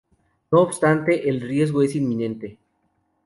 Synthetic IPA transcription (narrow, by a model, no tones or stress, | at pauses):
no̞ːbst̪ant̪e̞ʔelrje̞zɣo̞e̞sinmĩnẽ̞nt̪e̞